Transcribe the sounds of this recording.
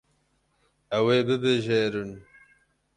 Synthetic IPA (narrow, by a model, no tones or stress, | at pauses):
ɛweːbɨbɨʒeːɾɨn